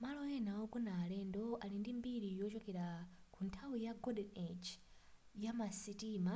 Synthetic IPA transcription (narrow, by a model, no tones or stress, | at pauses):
malɔjɛnawɔkunaːlɛndɔalindimbiɾijɔt͡ʃɔkɛɾa | kʰuntʰawijaɡɔdɛnet͡ʃ | jamasitiːma